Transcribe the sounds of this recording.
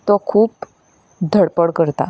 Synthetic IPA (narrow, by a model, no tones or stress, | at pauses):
t̪ɔkʰuːp | d̪ʱəɽpəɽkəɾt̪a̰